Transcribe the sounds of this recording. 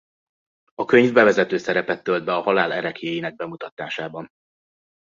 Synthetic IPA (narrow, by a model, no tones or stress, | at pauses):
ɒkø̞ɲvbɛvɛzɛt̪øːsɛɾɛpɛt̪ːøld̪̚bɛɒhɒlaːlɛɾɛkjeːjinɛɡ̚bɛmut̪ɒt̪aːʃaːbɒn